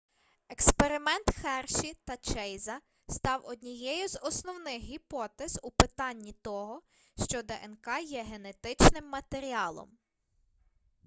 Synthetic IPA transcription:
ekspeɾɪmɛnt̪xɛrʃit̪ɐt͡ʃɛjzɐ | st̪ɑwɔd̪ʲnʲijɛjʊzɔsnɔwnɪxɦipɔt̪ɛz̥upɪt̪ɑnʲːit̪ɔɦɔ | ʃt͡ʃɔd̪ɛʔɛnkɑjɛɦenet̪ɪt͡ʃnɪmːɐt̪eɾʲiɑlˠɔ̰m

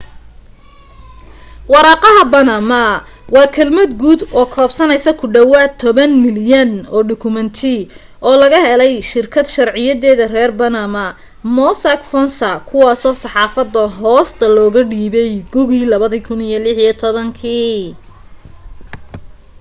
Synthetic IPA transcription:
wɑɾɑːqɑɦɐbɐnɐmɐwɑːkʰɐlmɐd̪ɡuːd̪ɔːkʰɔːbsɐnɛjsɐkʰʊɖɐwaːt̪ʰːɔβɐnmɪljɐnɔːɖʊkʰʊmɐnt̪ʰi | ʔɔːlɐɣɐhɛlɛjʃɪrkʰɐd̪ʃɐrʕɪjɐðɛːðɐrɛːrbɐnɐmɐ | mɔsɐkfɔnsɐkʰʊwɑːsɔːsɑħɑːfɐd̪ːɐɦɔːst̪ʰɐlɔːɣɐɖiːβɛjɡʊɣiːlɐβɐðikʰʊnijɔlɪħijɔt̪ʰɔβɐŋkʰiː

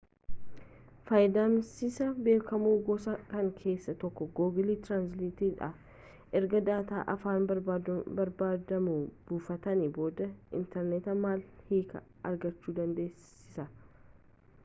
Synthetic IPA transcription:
fɐjd̪aːmsɪsɐbe̞ːkʰɐmuːɡɔsɐkɐŋkʰe̞ːsːɐt̪ɔkːɔɡoːɡɪliːt̪ɾaːnsliːt̪iːᶑɐ̰ | ʔɛɾɡɐd̪aːt̪aːʔɐfaːnbɐɾbaːd̪ɐmuːb̥uːfɐt̪ɐniboːd̪ɐɪ̰nt̪ɛɾnɛt̪ɐmaːlhiːkʰɐ̰ | ʔɐ̰ɾɡɐt͡ʃːuːd̪ɐnd̪e̞ːs | ɪ̥sɐ

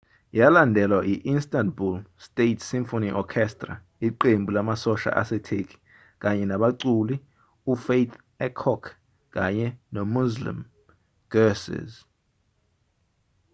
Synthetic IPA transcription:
jalandʱɛlwaʔiʔinstʼantbulstʼetʰsimfoniʔɔkʰɛstʼra̰ | iǃembʱulamasɔʃa̰ʔa̰sɛtʰekʰʼi̥ | k̬ʼaɲɛnaɓaǀuli | ufejt̪ʰ | ɛkʰɔkʰ | k̬ʼaɲɛnɔmuzlḭm | ɡ̥ɛsɛ̰z

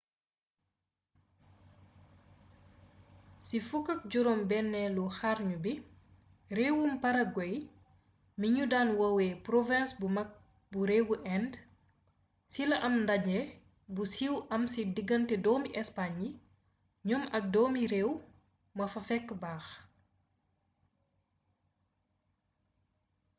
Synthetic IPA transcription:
sifukːɐk̚ɟuɾɔmbɛnːɛluxaɾɲubi | rewumpɐɾɐɡɔj | miɲudaːnwɐwɛːpɾɔvɛ̃nsbɐ | buɾeːwuʔɛnd | silɐʔɐmndɐɲɛ | busiwʔɐmsidiɡɐntɛdɔːmiʔɛspaɲi | ɲɔmɐk̚dɔːmiɾeːw | mɐfɐfɛkːbaːx

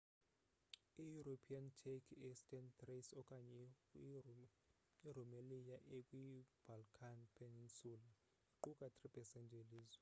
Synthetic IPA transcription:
ijuɾopʰiantʰɛkʰɛstʼɛnt̪resɔkʼaɲɛ | irumelijaʔekʼwib̥ʱalkʰanpʰɛninsuːla | iǃukʼatʰʼripʰɛsɛntʼeliːzwɛ

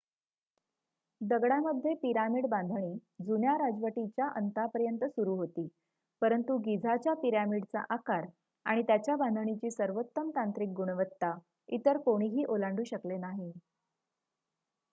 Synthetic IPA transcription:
d̪əɡɽaməd̪ʱːjepiɾamiɽbãnd̪ʱɳ̃iːd͡zunjaɾad͡zʋəʈit͡ɕjaʔənt̪apəɾjənt̪əsuɾuːɦot̪iː | pəɾənt̪uɡid͡zʱat͡ɕjapiɾamiɽt͡sa̰ʔakaɾ | aɽ̃it̪jat͡ɕjabãnd̪ʱəɳ̃it͡ɕiːsəɾʋot̪ːəmt̪ant̪ɾik̚ɡuɽ̃ʋət̪ːa | it̪əɾkoɽ̃iːɦiːʔolaɳɖʱuːɕəklenaɦi

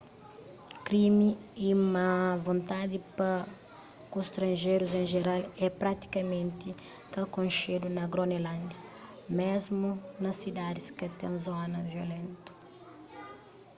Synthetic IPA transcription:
kɾimiiumɐvõnt̪ad̪ipɐ | kusʃt̪ɾɐ̃nʒejɾuzẽʒeɾalɛpɾat̪i̥kɐmẽnt̪i | kɐkõnʃed̪unɐɡɾonelãnd̪ɐ | mezmunɐsid̪ad̪iskɐt̪ḛ̃w̃zɔnɐviolẽnt̪u̥

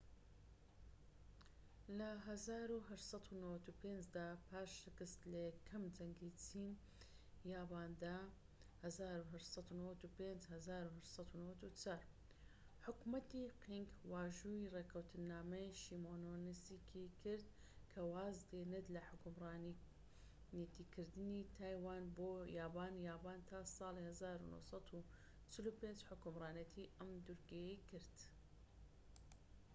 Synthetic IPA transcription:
lɐɦɐzaːɾuɦɐʃsˤɑt̪ʰunɐwɐt̪upeːnd͡ʒd̪aːpʰaːʃːɨkɨst̪lɐjɛkʰːɐmd͡ʒɐŋɡit͡siːn | jaːbaːnd̪a | hɐzaːɾuɦɐʃsɑt̪unɐwɐt̪upeːnd͡ʒhɐzaːɾuɦɐʃsɑt̪unɐwɐt̪ut͡sʰaːɾ | ħʊkmɐt̪iqiŋɡwaːʒuːireːkʰɐwt̪ʰɨnːaːmejʃimoːnonisikʰikʰɪɾd̪̚ | kʰɐwaːzd̪eːnɨd̪lɐħʊkʊmrɑːn | nit̪iːkʰɨɾd̪ɨnit̪ʰaːjwaːnboːjaːbaːnjaːbaːnt̪ʰaːsˤɑːlihazaːɾṵnʊ̰hsˤɑt̪ʰu | t͡ʃɪlupeːnd͡ʒħʊkʊmɾˤɑːnɐt̪ʰiʔɐmd̪uɾɡejekɪɾd̪

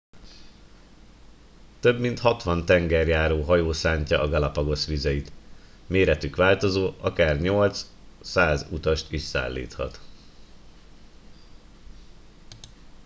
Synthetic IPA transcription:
t̪ø̞bmint̪hɒt̪ʋɒnt̪ɛŋɡɛrjaːɾoːɦɒjoːsaːɲcɒʔːɡɒlɒpɒɡo̞sʋizɛjit̪ | meːɾɛt̪ykʋaːlt̪o̞zoːʔɒkaːrɲo̞lt̪ssaːzut̪ɒʃt̪iʃsa̰ːlːḭːt̪hɒ̰t̪

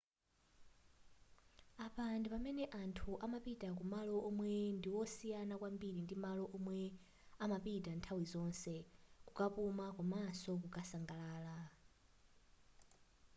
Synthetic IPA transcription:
apandɛpamɛnɛʔantʰuʔamapitʼak̬umalɔʔɔmwɛndiwɔsijanakwambiɾindimalɔʔɔmwɛ | amapitantʰawizɔnsɛkukʼapumakamasɔk̬ukʼasaŋɡalaːla

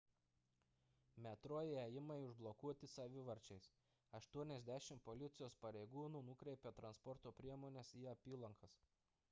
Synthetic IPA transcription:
mʲɛt̪ɾoːjɪɛjɪmɐɪʊʒblˠɔkuɔt̪ʲɪsɐʋʲɪʋɐɾʲt͡ʃʲɛɪs | ɐʃt̪uɔnʲɛzʲd̪ʲæʃʲɪmpɔlʲɪt̪sʲɪjoːspɐɾʲɛɪɡuːnuːnʊkɾʲɛɪpʲɛt̪ɾɐnspɔɾt̪oːpʲɾʲiɛmoːnʲɛsiːɐpʲiːlˠɐŋkɐs

